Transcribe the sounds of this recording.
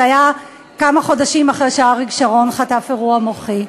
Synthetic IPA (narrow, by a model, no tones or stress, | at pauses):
aja | kamaχo̞daʃimaχʁeʃaaʁiɡʃaʁo̞nχatafeʁuamoχi